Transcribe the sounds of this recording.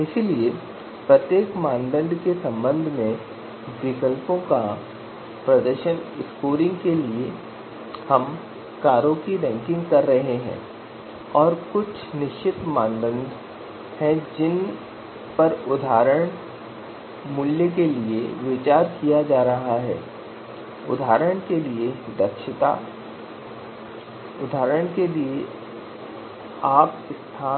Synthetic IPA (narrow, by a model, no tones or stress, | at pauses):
ɪsilie | pɾɐt̪jeːkmãːnd̪ə̃nd̪ʱkesɐ̃mbə̃nd̪ʱmẽ | bɾikəlpõka | pɾɐd̪əɾʃənɪskoːɾɪ̃ŋɡkelie | hɐm | kaːɾõkiɖɛ̃ːŋkɪ̃ŋɡkɐɾːɐɦeɦɛ̰̃ː | ɔːɾkʊt͡ʃʰnɪʃt͡ʃʰɪt̪mãːnd̪ə̃nd̪ʱ | hɛ̃d͡ʒɪn | pɐɾʊd̪ʱaːɾəɽ̃ | mʊljək̬elieʋɪt͡ʃaːɾkijad͡ʒaːɾɐɦaɦɛ̰ː | ʊd̪ʱaːɾəɽ̃kelied̪ɐkʃɪt̪a̰ | ʊd̪ʱaːɾəɽ̃kelie | aːp̚ | ɪst̪ʰaː